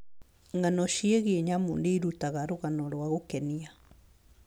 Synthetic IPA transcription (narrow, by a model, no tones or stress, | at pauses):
ŋanɔʃieɣeeɲamṵːndeiɾutaɣaɾoɣanɔɾwaɣokɛnia